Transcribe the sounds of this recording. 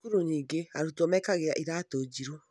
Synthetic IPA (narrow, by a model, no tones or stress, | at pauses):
kuɾuniːɡeaɾutomɛkaɣeɾaʔiɾatoːd͡ʒiɾo